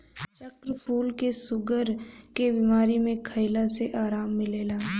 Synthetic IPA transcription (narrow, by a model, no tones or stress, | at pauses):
t͡ʃəkɾpʰuːlkesʊɡəɾkebiːmaːɾimẽkʰəɪlaseʔaːɾaːmːɪleːlaː